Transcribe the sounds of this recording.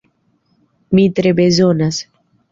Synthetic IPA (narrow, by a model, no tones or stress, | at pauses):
mit̪ɾebezonas